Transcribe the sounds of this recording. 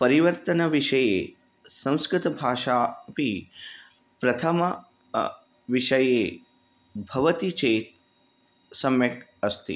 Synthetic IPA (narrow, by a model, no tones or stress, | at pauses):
pɐɾiʋəɾt̪ənəʋiʂɐje | sɐ̃w̃skɾɪt̪əbʱaːʃapi | pɾɐt̪ʰəmə | ʋiʃəje | bʱɐʋət̪it͡ʃeːt̪̚ | sɐmjək | ɐst̪ḭ